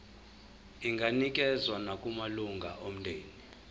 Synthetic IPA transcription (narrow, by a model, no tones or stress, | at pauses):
iŋɡʱanikʼɛzwanakʼumaluŋɡʱa̰ʔom̩ndʱeːni